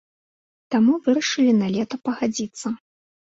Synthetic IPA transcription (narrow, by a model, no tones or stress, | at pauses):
t̪amuvɨɾɐʂɨlʲinalʲɛt̪ɐpɐɣad͡zʲit̪sːɐ